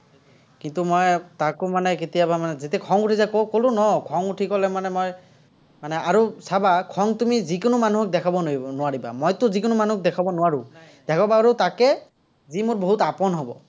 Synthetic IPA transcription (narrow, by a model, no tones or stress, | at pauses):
kintumɔjtakʊmanɛketijabamanɛzetɛkʰɔŋutʰizakowkolʊ̃nɔkʰɔŋutʰikɔlɛmanɛmɔj | manɛaɹusabakʰɔŋtumizikʊnʊmanuɦɔk̚dɛkʰabɔnʊwaɹiba̰mɔjtʊzikʊnʊmanuɦɔk̚dɛkʰabɔnʊwaɹʊ̃ | d̥ɛkʰɔbaːɹutakɛ | zimoɹboɦutapɔnɦɔbɔ̰